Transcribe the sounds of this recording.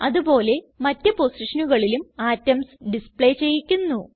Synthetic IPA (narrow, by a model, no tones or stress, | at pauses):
ɐðubo̞ːle̞ | mɐtːɨposiʂɐnuɣɐɭilumaːtːɐmsɖispɭejt͡ɕe̞jikʲːunːu